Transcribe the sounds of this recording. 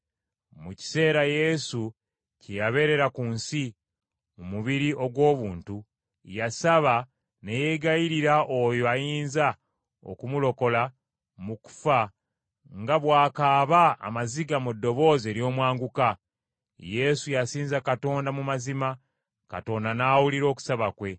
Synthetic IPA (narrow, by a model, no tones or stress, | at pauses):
muci̥se̞ːɾaje̞su | cejaβe̞ɾe̞ɾakunsi | mumuβiɾiʔo̞ɡwo̞ːβuːntu | jasaβa | ne̞je̞ɡajiɾiɾaʔo̞joajiːnza | o̰kumulo̞ko̞la | muku̥fa | ŋɡaβwaːkaːβa̰ːmaziɡamudːo̞βo̞ːze̞ːɾjo̞ːmwaːŋɡuka | je̞sujasiːnzakato̞ːndamumazima | ka̰to̞ndanaːwuliɾo̞ːku̥saβakwe̞